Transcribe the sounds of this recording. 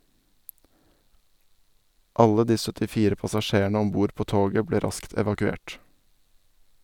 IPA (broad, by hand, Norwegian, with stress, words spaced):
ˈɑlə ˈdiː sœtɪˈfiːɾə pɑsɑˈʃeːˌɳeː ˈɔm ˈbuːɾ ˈpoː ˈtoːɡə ˈbleː ˈɾɑskt ɛʋɑkʉˈeːʈ